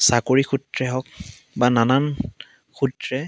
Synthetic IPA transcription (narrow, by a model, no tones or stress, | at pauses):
sakoɹixʰutɹɛɦɔk̚ | bananan | xutɹɛ